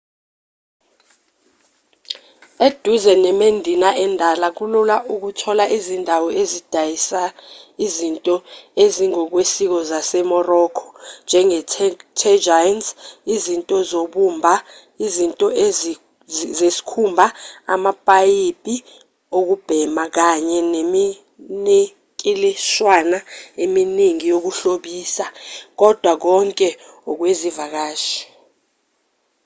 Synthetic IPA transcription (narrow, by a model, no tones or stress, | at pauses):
ed̥ʱuzɛnɛmendʱinaʔɛndʱalak̬ululaʔuk̬utʰɔlaʔizindʱawɔezid̥ʱajisaizintʼɔeziŋɔk̬wesik̬ɔzasɛmɔrɔkʰɔ̥nd͡ʒʱɛŋɛtʰɛd͡ʒajnsizintʼɔzoɓumbʱa | izintʼɔe | zesi̥kʰumbʱaa̰mapʼajipʼi | ok̬ub̥ʱɛmak̬aɲɛnemi | ne | kʼiliʃwanaeminiŋijok̬uɬoɓiːsak̬ɔd̥ʱwak̬ɔŋkʼɛ | ɔk̬wezivak̬aːʃi̥